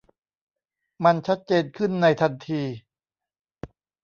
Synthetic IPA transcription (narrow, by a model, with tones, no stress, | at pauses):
ma˧nt͡ɕʰa˦˥t̪̚t͡ɕeː˧nkʰɯ˥˩nːa˧jt̪ʰa˧nt̪ʰiː˧